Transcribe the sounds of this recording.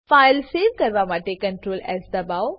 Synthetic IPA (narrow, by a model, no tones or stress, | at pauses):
faːɪlseːʋkɐɾʋamaːʈekɐ̃ɳʈɾoːlɛːzd̪ɐbaʊ